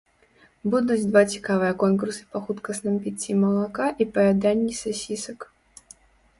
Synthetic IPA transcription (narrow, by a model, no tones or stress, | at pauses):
bud̪ud͡zʲd̪vat͡sʲi̥kavɨjɐkɔnkursɨ̥pɐxut̪kɐsnɨmpʲit͡sʲːimɐlˠakaʔipɐjʲad̪anʲːisasʲisɐk